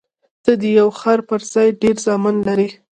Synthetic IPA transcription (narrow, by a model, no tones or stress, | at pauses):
t̪əd̪əjawxaɾpəɾz̥ɑjɖeɾzɑmɪnlaɾi